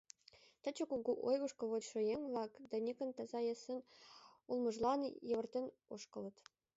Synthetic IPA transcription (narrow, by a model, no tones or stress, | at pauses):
t̪ə̆t͡ɕə̆kuɡuʔojɣuʃkɤlβot͡ɕʃŏjeŋvlˠɑkd̪ɑnʲekə̆nt̪ɑzɑjĕsə̆nulˠmɤ̆ʒlɑnjəβə̆rt̪ʲen | oʃkɤ̆lɤ̆t̪